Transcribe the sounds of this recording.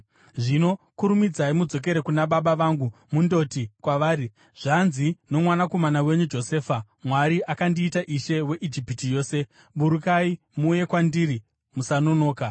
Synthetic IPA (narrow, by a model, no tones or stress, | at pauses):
ʐino̞kuɾumid͡zaimud͡zo̞k̬e̞ɾe̞kunaɓaɓaʋaŋɡumundo̞tikwaʋaːɾi | ʐ̥anzino̞mwanako̞manawe̞ɲud͡ʒo̞se̞ːfa | mwaɾiʔakandiːtaʔiʃe̞we̞ʔid͡ʒipitijo̞ːse̞ | ɓuɾukai | muːje̞kwandiri | musano̞no̞ːka